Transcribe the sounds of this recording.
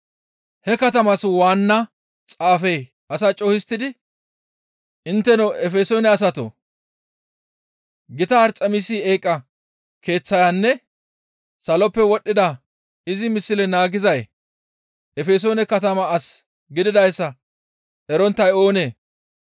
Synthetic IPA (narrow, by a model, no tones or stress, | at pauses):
hɛkɐt̪ɐmɐswaːnːɐ | t͡sʼaːfɛj | ɐsat͡ʃʼɔhɪst̪ːɪd̪ɪ | ʔɪnt̪ːɛnɔʔɛfeːsoːnɛɐs̬ɐt̪o̰ | ɡɪt̪ɐːɾt͡sʼɐmisie̞ːkʼːɐ | kʰe̞ːt͡sːɐjanːɛ | sɐlɔpːɛwɔɗːɪd̪ɐ | ɪzɪmɪsːɪlɛnaːɡɪzɐj | ɛfeːs̬oːnɛkɐt̪ɐmɐːs | ɡɪd̪ɪd̪ɐjsːɐ | ɛɾɔnt̪ːɐjo̞ːne̞ː